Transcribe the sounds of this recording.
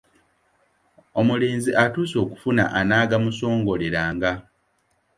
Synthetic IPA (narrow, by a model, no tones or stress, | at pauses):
o̞mule̞ːnziʔatuːso̞ːku̥funa̰ʔanaːɡamuso̞ːŋɡo̞leɾaːŋɡa